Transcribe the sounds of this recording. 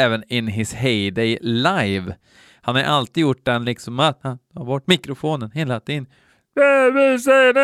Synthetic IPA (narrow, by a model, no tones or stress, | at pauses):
ɛːvənɪnɦɪshɛɪd̪ɛɪlajv | hanhaɾ̰ʔalt̪iːd̪jʊʈ̚ːd̪ɛnlɪksɔmːat̪hant̪ʰɑɾvɔʈːmɪkɾʊfoːnənheːlat̪ʰɪn | d̪ɛvɪs̬ɛjənɛ